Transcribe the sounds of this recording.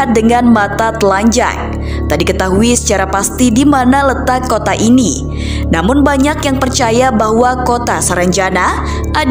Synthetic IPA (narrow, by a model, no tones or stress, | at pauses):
dəŋanmat̪at̪əlaɲd͡ʒa̰k̚ | t̪adikət̪aɦuisə̥t͡ʃaɾapast̪idimanalət̪akːot̪aʔini | namʊnbaɲakjaŋpərt͡ʃajabahwakot̪asəɾaɲt͡ʃana | ʔa